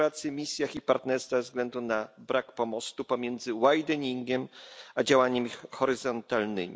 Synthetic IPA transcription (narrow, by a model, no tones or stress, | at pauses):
at̪sʲɨmʲisʲjaxipaɾt̪nɛɾst̪favzɡlɛnd̪unabɾakpɔmɔst̪upɔmʲjɛnd̪zɘwajd̪ɛɲiŋɡʲɛmad͡ʑawaɲɛmʲixɔɾɘzɔnt̪alnɘ̰mʲi